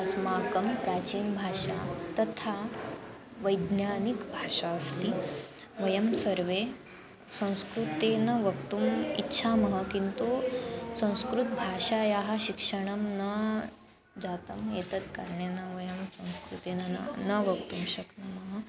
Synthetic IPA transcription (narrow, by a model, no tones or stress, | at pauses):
əsmakəmpɾat͡ɕiːnbʱaʂa̰t̪ɐt̪ʰa | ʋəjd̪njanikbʱaʂaəst̪i | ʋəjəmsəɾʋe | sɐ̃w̃skɾut̪enɐʋəkt̪umitːɕʰaməɦəkint̪usɐ̃w̃skɾut̪̚bʱaʂajaɦaɕikʂəɳ̃ɐmnə | d͡ʑat̪əmjet̪ət̪kaɾɳjenəʋəjɐmsɐ̃w̃skɾut̪enən̰nəʋəkt̪umɕəknaməɦə